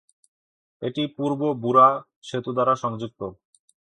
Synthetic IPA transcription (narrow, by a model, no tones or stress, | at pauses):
eʈipuɾbobuɾa | ʃet̪ud̪aɾaʃɔŋd͡ʑuk̚t̪o